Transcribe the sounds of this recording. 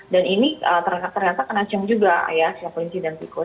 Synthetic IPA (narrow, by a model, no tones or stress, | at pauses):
daniniət̪ərat̪ːərɲat̪akənat͡ʃəŋd͡ʒuɡa̰jaslapɾinsidɛnt̪iko